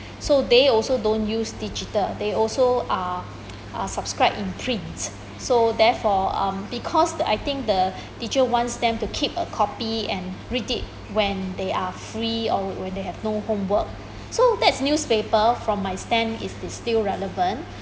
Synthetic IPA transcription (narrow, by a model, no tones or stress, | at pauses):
sod̪eɔlsodõnjusdid͡ʒitəldeɔlsoa | ʔa̰sabskɹaɪbĩnpʰɹĩnts | sodɛfɔʌ̰̃mbikʰɔsa̰jt̪ɪ̃ŋk̚də | tit͡ʃəwɔ̃ntsdɛ̃mtukʰipə̰kʰɔpiɛ̃nɹitit̚ | wɛ̃ndeafɹiɔwɛ̃ndehɛvnohõmwək̚ | sodɛtsnjuspepəfɹɔ̃mːajstɛ̃nḭsdistilɹɛləvə̃nt